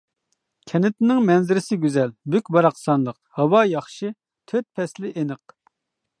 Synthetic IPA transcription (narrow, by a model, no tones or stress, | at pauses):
kʲʰɛnɪt̪nɪŋmɛnzɪɾɪsɪɡʲyzɛlbykʲbɑɾɑqsɑnlˠəqhɑwɑjɑχʃɨ | t̪ʰøt̪̚pʰɛslɪʔenɨq̚